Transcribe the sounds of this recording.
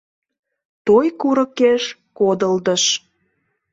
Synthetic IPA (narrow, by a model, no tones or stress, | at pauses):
t̪ojkuɾə̆keʃkod̪əld̪əʃ